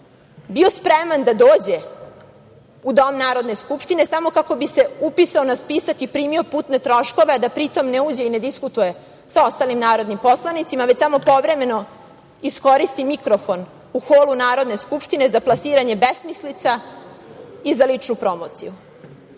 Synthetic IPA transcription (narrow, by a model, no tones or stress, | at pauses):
bio̞spɾemand̪ad̪o̞ːd͡ʑe̞ | ud̪o̞mnaːɾo̞d̪ne̞skupʂt̪ine̞samo̞kako̞bise̞upisaonaspisakipɾiːmio̞puːt̪ne̞t̪ɾo̞ʃko̞ʋead̪apɾit̪o̞mneuːd͡ʑe̞ine̞d̪iskut̪uje̞ | sao̞st̪aːlimnaːɾo̞d̪nimpo̞slanit̪simaʋet͡ɕsamo̞po̞ʋɾe̞me̞no̞ | isko̞ɾist̪imikɾo̞fo̞n | uxoːlˠunaːɾo̞d̪ne̞skupʃt̪ine̞zaplˠasiːɾaɲe̞besmislit̪sa | izalit͡ʂnupɾo̞mo̞t̪sḭju